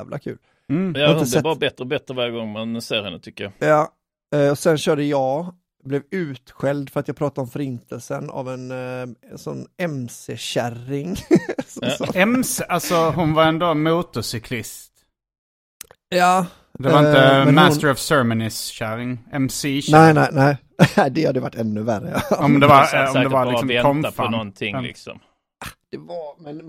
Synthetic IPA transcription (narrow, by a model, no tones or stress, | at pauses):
vlʔa̰kʰʉ̰ːl̩ː | aaɪəɛbɑːɾabɛt̪ːɾəbɛt̪ːɾəvaɾjəɡɔŋːmɛnseːɾhɛnːət̪ʰʏkːəjɑjɑː | ɔsɛnɕœːɖəjɑː | blɛvʉ̟ːt̪ɧɛld̪fœɾat̪jɑːpʰɾɑːt̪ad̪ɔmfœɾɪnt̪ʰəlsəna̰vɛn | sɔnːɛmseɕærɪŋsɔɔ̰ɛmsʔalsɔɦʊnvaɾɛnd̪oːmuːt̪ʊsʏkʰlɪst̪ | jɑː | d̪ɛvaɾɪnəmmænst̪əɾɔvsœmənɪsːæɾɪŋɛmsinæɪnæɪnæɪ | ɛd̪ɛhad̪ɛvaʈːɛnːɵværə̰ɔmd̪ɛvaɾɔmd̪ɛvalɪksɔmːʰɔmfanɔnʰɪŋlɪ̰ksɔ̰m | ḁd̪̥ɛvaɾmɛn